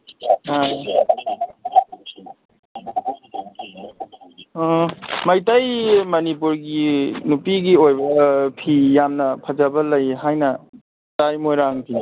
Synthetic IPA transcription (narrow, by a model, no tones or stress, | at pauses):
aj | mɐjtajmɐnipuɾɡinupiɡiojbɐpʰijamnɐpʰɐd͡ʒabɐlɐjɦajnɐ | tajmojɾaŋpʰi